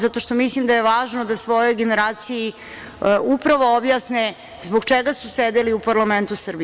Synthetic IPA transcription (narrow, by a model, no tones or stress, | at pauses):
zat̪o̞ʃt̪o̞mislimd̪ajeʋaːʒnod̪asʋo̞jo̞jɡeneɾaːt̪siji | upɾaʋo̞objasne | zboɡt͡ʃeɡasused̪eliupaɾlament̪usr̩bi